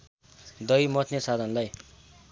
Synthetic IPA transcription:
d̪ʌjmʌt̪ʰnesad̪ʱʌnlaj

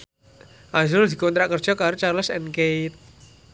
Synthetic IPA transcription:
ʔad͡ʒʊld̪i̤kont̪ɾakərd̥ʒ̥ɔkaɾut͡ʃaɾləsɛ̰nkejt̪̚

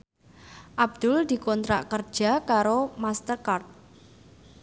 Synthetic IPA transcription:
ʔab̚d̪̥ʊld̪̥i̤kɔnt̪ɾa̰ʔkər̥ʒ̥a̤kaɾomast̪ərkart̪̚

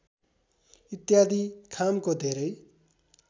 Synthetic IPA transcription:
it̪jad̪ikʰamkod̪ʱeɾʌj

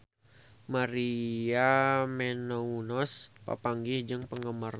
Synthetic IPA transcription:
maɾiamɛnɔunɔspa̰paŋɡihd͡ʒəŋpəŋɡəmar

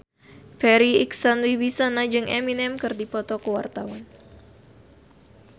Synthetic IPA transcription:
pɛɾiiksanwiwisanad͡ʒɨŋʔɛminɛmkɨrdipɔt̪ɔkəwa̰rt̪awan

